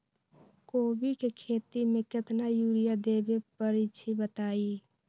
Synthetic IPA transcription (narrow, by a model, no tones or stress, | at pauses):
koːbikekʰeːt̪imẽkɪt̪najuɾijad̪ebepəɾit͡ʃʰibət̪aːi